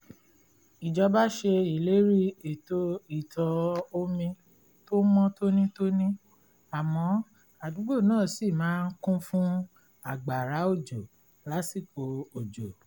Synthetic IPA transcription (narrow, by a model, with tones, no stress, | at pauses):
i˨d͡ʒɔ˧ba˦ʃe˧i˨le˨˦ɾi˦e˨to˧i˨tʰɔ˧o˧mĩ˧ | to˦mɔ̃˦to˦nĩ˦to˦nĩ˦ | a˨mɔ̃˧˦ | a˨dũ˨˦ɡ͡bo˦˨nãː˦˨si˦˨mãː˨˦n̩˦kũ˦fũ˦ | a˨ɡ͡ba˨ɾa˨˦o˦˨d͡ʒo˨ | la˨˦si˦˨k͡po˨o˨d͡ʒo˨